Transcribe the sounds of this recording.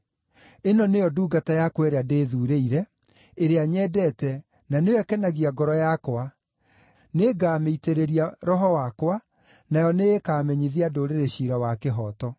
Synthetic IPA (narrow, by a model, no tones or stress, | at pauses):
enɔnejɔduːɡatajakwɛɾeadeðuːɾeiɾɛ | eɾeaɲɛdɛtɛ | nanewɛkɛnaɣiaɡɔɾɔjakwa | neɡaːmeiteɾeɾiaɾɔɦɔwakwa | najɔneːkaːmɛɲiðiadoːɾeɾeɕiɾawakeɦɔtɔ